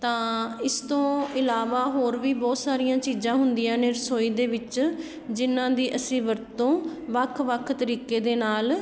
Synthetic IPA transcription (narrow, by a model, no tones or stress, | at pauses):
t̪ãːɪst̪õːɪlaːʋaːɦoːɾʋiːbɔːt̪saːɾijãːt͡ʃiːzãːɦʊnd̪ijãːneːɾəsoːiːd̪eːʋɪt͡ʃ | d͡ʒɪnãːd̪iːʔəsĩːʋəɾt̪õːʋəkʰʋəkʰt̪əɾiːkeːd̪eːnaːl